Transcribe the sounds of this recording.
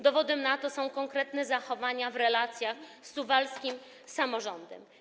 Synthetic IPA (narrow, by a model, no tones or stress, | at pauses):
d̪ɔvɔd̪ɛmnat̪ɔsɔ̃w̃kɔŋkɾɛt̪nɛzaxɔvaɲavɾɛlat̪sʲjaxsːuvalskʲim | samɔʐɔnd̪ɛ̰m